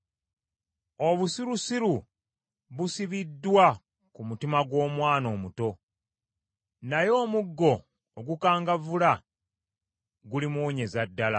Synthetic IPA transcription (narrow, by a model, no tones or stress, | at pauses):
o̞βusiɾusiɾu | βusiβidːwa | kumutimaɡwo̞ːmwaːno̞ːmuto̞ | najo̞ːmuɡːo̞ː | ɡukaːŋɡavula | ɡulimuːɲe̞zadːala̰